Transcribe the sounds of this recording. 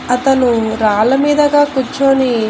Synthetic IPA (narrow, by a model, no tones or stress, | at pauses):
ɐt̪ɐnuɾaːlɐmiːd̪ɐɡaːkut͡ʃːoːni